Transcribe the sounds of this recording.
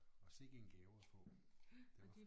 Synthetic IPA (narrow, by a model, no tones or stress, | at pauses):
ɒ̽se̝ɡ̥əenɡ̥ɛːʊɐpʰɔ̽ | d̥e̥